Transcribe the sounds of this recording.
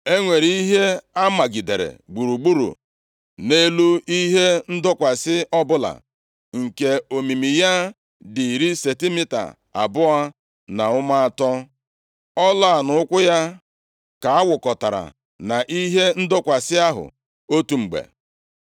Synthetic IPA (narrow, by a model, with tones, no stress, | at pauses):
e˦ŋʷe˨ɾi˨i˦ɦe˦a˦ma˨ɡi˨de˨ɾḛ˨ɡ͡bu˨ɾu˨ɡ͡bu˦ɾṵ˨ | ne˦lu˦i˦ɦe˦n̩˦dʊ˦kʷa˨sɪ˦ʔɔ˦bʊ˦la̰˨ | ŋ̩˨ke˦o˨mi˨mi˨ja˦ | dɪ˨ɾi˦se˨ti˦mɪ˦ta̰˨ | a̰˨bʊ˦a˦ | na˨ʊ˦ma˦a˨tɔ˦ | ɔ˦la˦˨a˨nʊ˦ʊ˦kʷʊ˦ja˦ | ka˨a˦wʊ˨kɔ˨ta˨ɾa̰˨ | na˨ʔi˦ɦe˦n̩˦dʊ˦kʷa˨sɪ˦a˦ɦʊ̰˨ | o˦tu˨ŋ͡m̩˨ɡ͡bḛ˨